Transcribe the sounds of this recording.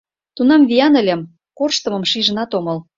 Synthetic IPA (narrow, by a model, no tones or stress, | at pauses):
t̪unɑmβijɑnə̆lʲĕm | korʃt̪ɤ̆mɤ̆mʃiʒə̆nɑt̪omɤ̆l